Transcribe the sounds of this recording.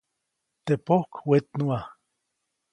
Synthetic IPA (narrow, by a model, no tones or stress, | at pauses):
t̪epohkwet̪nua